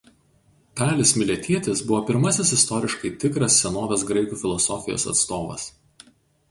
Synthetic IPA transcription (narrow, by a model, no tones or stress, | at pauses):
k̪ɑːlʲesmʲɪlʲɛt̪ʲiɛt̪ʲesbʊʋoːpʲɪɾmɐsʲɪsɪst̪ɔɾʲɪʃkɐɪt̪ʲɪkɾɐsːʲɛnoːʋʲɛsɡɾɐɪkuːfʲɪlˠɔsɔfʲɪjo̰ːsɐ̰t̪st̪oːʋɐ̰s